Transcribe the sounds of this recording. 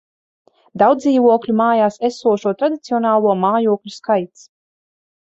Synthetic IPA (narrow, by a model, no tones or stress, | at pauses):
d̪awd̪ziːvuɔklʲumaːjaːsesuɔʃuɔt̪ɾad̪it̪siɔnaːlˠuɔmaːjuɔklʲuskajt̪s